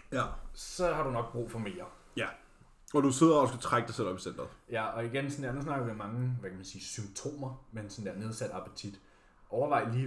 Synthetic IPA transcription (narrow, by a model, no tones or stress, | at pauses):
jsɒ̽hɑ̈ɾunɒ̽ɡ̥̚b̥ʁṵːfɒ̽me̝̰ːɐ | jæ | ɒ̽d̥use̝ð̰ˠɐɒsɡ̥æt͡sʰʁaɡ̥d̥ɑ̈ɪsel̰ɒ̽b̥i̥send̥ɐjæɒ̽iɡ̥ensn̩d̥eɐmæns̬nɑ̈ɡ̥ɐʋemɑ̈ŋəʋækʰæmænsiːsymt͡sʰo̝̰ːmɐmensɔ̽nd̥eɐne̝ð̞ˠsæd̥ɑ̈pʰət͡sʰid̥ | ʔɒʊɐʋɑ̈ɪ̰liː